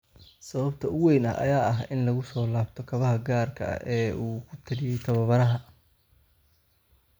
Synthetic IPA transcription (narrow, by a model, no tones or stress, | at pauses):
sɐβɐbt̪ʰɐʊwɛjnɐ̰ɐ̰jaːɐɦɪnlɐɣʊsɔːlaːbt̪ʰɔkʰɐβɐɦɐɡaːrkʰɐ̰ɐ̰ʔɛːʔuːkʰʊt̪ʰɐlɪjɛjt̪ʰɐβɐβɐɾɐɦɐ